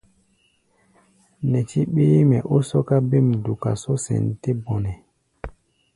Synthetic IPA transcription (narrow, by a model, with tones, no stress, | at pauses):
nɛ˨ti˦ɓeː˦mɛ˨ʔo˦sɔ˦ka˦be˦˨mdu˨ka̰˨so˦sɛ̰˨nte˦bɔ˨nɛ˨